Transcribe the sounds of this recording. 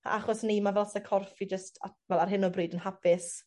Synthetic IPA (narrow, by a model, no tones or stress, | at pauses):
a̰ʔaχɔsnimavɛlˠsəkʰɔrfid͡ʒəsta̰vɛlˠarɦɪnɔbriːdənɦapɪs